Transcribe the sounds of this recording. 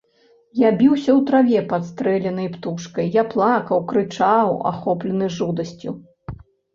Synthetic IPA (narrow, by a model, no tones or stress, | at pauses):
jabʲiwsʲɐwt̪ɾavʲɛpat̪st̪ɾɛlʲɐnɐjpt̪uʂkɐjːaplˠakɐwkɾɨt͡ʂawa̰xɔplʲɐnɨʐud̪ɐsʲt͡sʲu